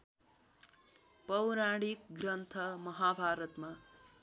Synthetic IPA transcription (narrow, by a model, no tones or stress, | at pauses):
pʌwɾaɽikɡrʌnt̪ʰʌmʌɦabʱaɾʌt̪ma